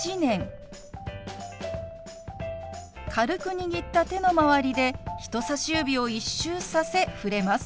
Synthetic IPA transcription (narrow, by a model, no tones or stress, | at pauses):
inẽ̞ŋ | kʰaɾɯ̟kɯ̟ɲ̟iɡʲit̪ːat̪e̞no̞maβaɾʲid̪e̞çi̥t̪o̞saɕɨːbʲio̞iɕːɨːsase̞ɸɯ̟ɾe̞masɨ̥